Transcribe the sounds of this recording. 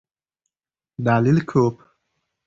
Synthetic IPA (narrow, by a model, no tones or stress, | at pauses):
d̪aːlilkʰoːp